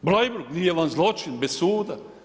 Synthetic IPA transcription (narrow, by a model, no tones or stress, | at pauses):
blajbuɾɡnijeʋanzlˠot͡ʃinbessuːd̪a